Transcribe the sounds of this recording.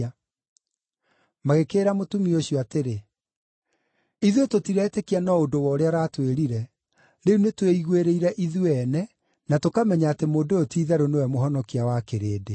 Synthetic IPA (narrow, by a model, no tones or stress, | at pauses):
a | maɣekeːɾamotumioɕjɔateɾe | iðwetotiɾɛtekianɔodowɔoɾeaɾatweɾiɾɛ | ɾeunetweiɣweɾeiɾɛʔiðweɛnɛ | natokamɛɲaːtemoːdootiːðɛɾonewɛmoɦɔnɔkiawakeɾeːde